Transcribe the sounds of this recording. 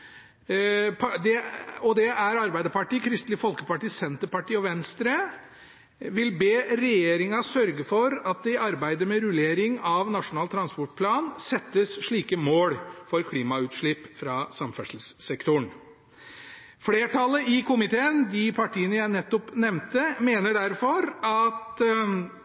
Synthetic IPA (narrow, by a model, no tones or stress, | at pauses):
pʰd̪ɛɔd̪ɛʔæɾɑɾbæɪd̪əpɑʈiːkʰɾɪst̪lɪfɔlkəpɑʈiːsɛnt̪əpɑʈiːɔʋɛnst̪ɾə | ʋɪlbeːɾɛjeːɾɪŋɑsœɾɡəfɔɾɑt̪̚d̪ɛɪɑɾbæɪd̪əmɛɾʉleːɾɪŋɑʋnɑʂʊnɑːlt̪ʰɾɑnspɔʈ̚pʰlɑːnsɛt̪ːəsʂɭiːkəmoːɽfɔɾkʰliːmɑʉːt̪ʂɭɪpːfɾɑsɑmfɛʂl̩sːɛkt̪ʊɳ | fɽeːʈʰɑlːəʔɪkʊmɪt̪ʰeːənd̪ɪpʰɑʈʰiːənəjæɪnɛt̪ːɔpnɛmnt̪əmeːnəɖæɾfɔɾɑt̪